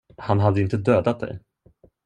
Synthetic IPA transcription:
hanɦad̪ːəɪnt̪əd̪øːd̪at̪̚d̪ɛ̰j

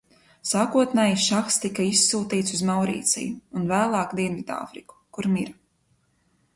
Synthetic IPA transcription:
saːkuɔt̪nɛjʃaxst̪ikɐisuːt̪iːt̪suzmawɾḭːt̪sḭjuːnvæːlˠɑːkd̪iɛnvid̪a̰ːfɾiku̥kuɾmiɾ

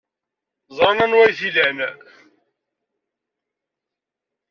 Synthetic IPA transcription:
zˤɾˤɑnænwæjθilæn

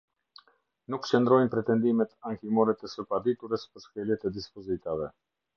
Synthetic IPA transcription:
nukt͡ʃənd̪ɾɔjnpɾɛt̪ɛnd̪imɛt̪aŋkimɔɾɛt̪ɛsəpad̪it̪uɾəspəɾʃkɛljɛt̪ɛd̪ispɔzit̪avɛ

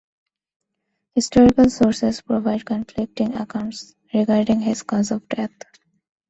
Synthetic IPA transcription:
hɪsʈɔːɾɪkəlsoːɾsespɾoʋaɪɖ̚kə̃nflɪk̚ʈɪ̃ŋə̰kãʊ̃ɳʈs | ɾɪɡaːɾɖĩŋɦɪzkɔːzɔfɖɛt̪

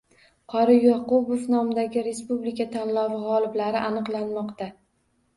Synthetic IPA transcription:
qʰɒɾɪjɑqʊbofnɒmɪd̪aɡʲɪɾe̞spublikʲʰat̪ʰanlɒvɪʁɒlˠɪblaɾɪʔanɨqlˠanmɒqt̪a

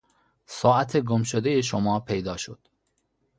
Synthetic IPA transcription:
sɒːʔæt̪ʰe̞ɡomʃod̪ejeʃomɒːpʰejd̪ɒːʃod̪̥

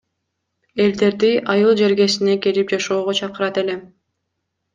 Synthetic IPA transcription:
e̞ld̪e̞ɾd̪iʔɑjɯlˠd͡ʒe̞ɾɡe̞sine̞kelip̚d͡ʒɑʃo̞ːʁot͡ʃʰɑqɯɾɑt̪e̞le̞

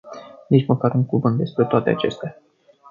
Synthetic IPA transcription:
nit͡ʃməkaɾuŋkuvɨnt̪̚d̪e̞spɾe̞t̪oat̪e̞a̰t͡ʃe̞st̪ea

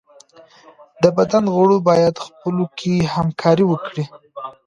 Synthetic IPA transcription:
d̪əbad̪anɣəɽobɑjad̪xpəlokʰehamkʰɑɾiwəkɽi

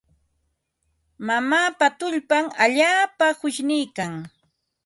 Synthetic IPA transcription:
mamaːpat̪ʊʎpaŋaʎaːpahʊʃnɪjkaŋ

